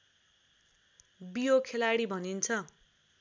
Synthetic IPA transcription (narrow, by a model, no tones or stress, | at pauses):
bijokʰelaɽibʱʌnint͡sʰʌ